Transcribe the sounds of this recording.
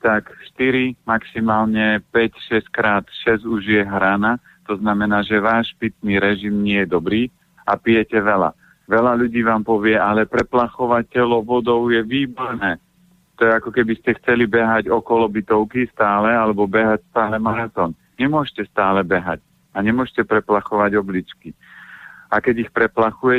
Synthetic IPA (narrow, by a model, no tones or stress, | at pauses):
t̪akʃt̪iɾimaksimaːlɲɛpɛcʃɛskɾaːt̪ʃɛzuʒɪjɛɦɾana | t̪ɔznamɛnaːʒɛʋaːʃpit̪niːɾɛʒimɲɪɛjɛd̪ɔbɾiː | a̰pijɛcɛʋɛla̰ | ʋɛlaʎuɟiːʋaːmpɔʋɪɛalɛpɾɛplaxɔʋacɛlɔʋɔd̪ɔʊjɛʋiːbɔɾnɛː | t̪ɔjɛakɔkɛbiscɛxt͡sɛlibɛɦaɟɔkɔlɔbit̪ɔʊkist̪aːlɛalɛbɔbɛɦacst̪aːlɛmaɾat̪ɔːn | ɲɛmʊɔʃcɛst̪aːlɛbɛɦa̰c | aɲɛmʊɔʃcɛpɾɛplaxɔʋaɟɔblit͡ʃki | ʔakɛɟixpɾɛplaxujɛ